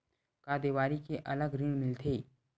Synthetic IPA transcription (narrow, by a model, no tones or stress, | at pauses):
kaːd̪eːʋaːɾikeʔɐləɡɾiɽ̃mɪlt̪ʰeː